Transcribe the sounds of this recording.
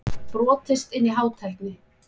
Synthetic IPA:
pɾɔːt̪ɪst̪ɪnːiɦaːwt̪ʰɛl̥knɪ

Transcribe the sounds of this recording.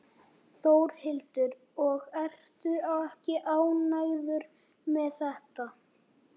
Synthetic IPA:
θowɾ̥hɪlt̪ʏɾ | ɔɣɛr̥t̪ʏawɛhcɪʔaːwnaɣðʏɾ | mɛðθɛht̪a

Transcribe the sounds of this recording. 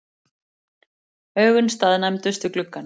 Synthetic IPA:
œːɣʏnst̪aːðnamt̪ʏst̪ʏklʏkːan

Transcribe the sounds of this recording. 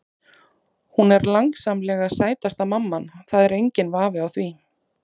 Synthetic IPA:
hunɛɾlaŋksamlɛːɣasaːjt̪ast̪amamːanθaðɛɾejɲcɪnvaːvɪawθvi

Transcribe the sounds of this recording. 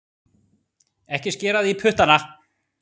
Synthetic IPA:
ɛhcɪscɛːɾaðipʰʏht̪ana

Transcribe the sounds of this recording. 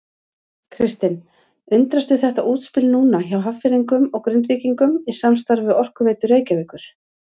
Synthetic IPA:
kʰɾɪst̪ɪn | ʏnt̪ɾast̪ʏθɛht̪aʔuːt̪spɪlnuːnaçawɦaffɪliŋkʏmɔɣkɾʏnt̪viːciŋkʏmisamst̪aɾvɪɔr̥kʏveːjt̪ʏreːjcavɪːkʏɾ̥

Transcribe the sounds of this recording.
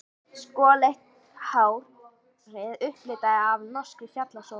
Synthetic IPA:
skɔːlejht̪̚ | haːwɾ̥ | vɪðʏhplɪːt̪aðɪavnɔskɾɪçjat̪laso

